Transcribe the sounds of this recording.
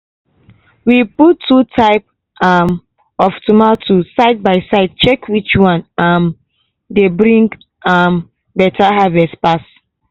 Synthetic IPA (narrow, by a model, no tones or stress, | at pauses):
wiputʰːutʰaɪp | am | ɔftumatʰusaɪd̚baɪsaɪd̚t͡ʃɛkwit͡ʃwãnãn | debɹĩŋɡ | am | bɛtʰaɦavɛstpas